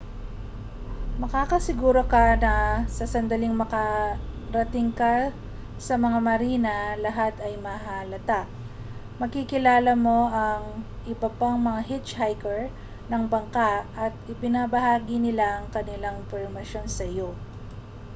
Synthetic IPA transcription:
mɐkaːkɐsɪɡuːɾo̞kɐnɐsɐsɐnd̪ɐlɪŋmɐkɐɾɐt̪ɪŋkɐ | sɐmɐŋamɐɾiːnɐlɐɦat̪ɐjmɐhalɐt̪aʔ | mɐɡkikɪlaːlɐmo̞ʔɐŋʔɪbɐpaŋmɐŋaɦɪt͡ʃhajkɛɹ | nɐŋbɐŋkaʔɐt̪̚ʔɪbɪnabɐhaːɡɪnɪlaʔɐŋkɐnɪlaŋpɛɹmɐʃo̞nsɐjo̞

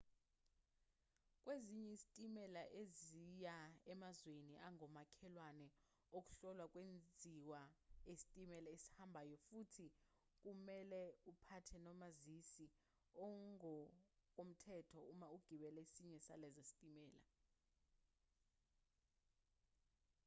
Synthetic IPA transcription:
k̬ʼweziɲɛizitʼimɛlaʔezijaɛmazweniʔaŋɔmakʰɛlwanɛ | ok̬ʼu̥ɬɔlwak̬ʼwend͡zʱiwaesi̥tʼimɛlaesi̥hambʱaːjɔfutʰi | k̬ʼumɛlɛupʰatʰɛnɔmazisi | ɔŋɔkʼom̩tʰɛtʰɔumauɡ̥ʱiɓɛlɛsiɲɛsalɛzesi̥tʼimɛːla̰

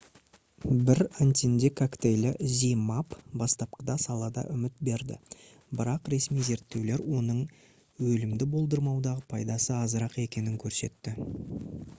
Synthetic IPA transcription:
bɪɾant̪ʲind̪ekʰakt̪ejlɪzijmapbɑst̪ɑp̚qəd̪ɑsɑlˠɑd̪ɑ̰ʔʏmɪt̪̚be̞ɾd̪ɪ̰ | bɪɾɑqɾe̞smijze̞ɾt̪ːe̞wle̞ɾwo̞nəɴ | wɵlɪmd̪ɪbo̞lˠd̪əɾmɑwd̪ɑʁəpʰɑjd̪ɑsəɑzəɾɑqe̞kʲe̞nɪŋkʲʰɵɾse̞̰t̪ːɪ

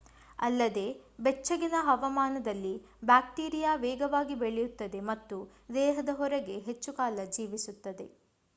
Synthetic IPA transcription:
ɐ̰lːɐd̪e̞ːbɛt͡ʃːɐɡinɐɦɐʋɐmaːnɐd̪ɐlːi | baːk̚ʈiːɾijaːʋɛːɡɐʋaːɡibeɭɛjut̪ːɐd̪e̞mɐt̪ːu | d̪ɛːɦɐd̪ɐɦɔɾɛɡe̞ɦet͡ʃːukaːlɐd͡ʒiːʋisut̪ːɐd̪e̞

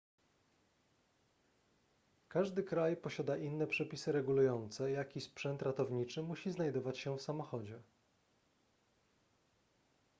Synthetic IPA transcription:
kaʐd̪ɘkɾajpɔɕad̪aʔinːɛpʂɛpʲisɘɾɛɡulujɔnt̪sɛjakʲispʂɛnt̪ɾat̪ɔvɲit͡ʂɘmuɕiznajd̪ɔvat͡ɕɕɛfsamɔxɔd͡ʑɛ

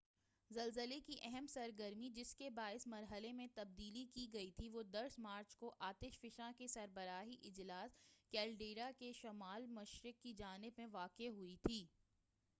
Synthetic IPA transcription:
zɐlzəlekiʔɛɦɛmsɐɾɡəɾmid͡ʒɪskebaːɪsmɐɾɦəlemẽt̪ɐb̚d̪iːlikiɡɐit̪ʰiʋoːd̪ɐɾsmaːɾt͡ʃkoʔaːt̪ɪʃfɪʃãkesɐɾbəɾaːɦiʔɪd͡ʒlaːskɛːlɖeːɾakeʃɐmaːlmɐʃɾɪkːid͡ʒaːnɪbmẽʋaːqeɦʊit̪ʰiː

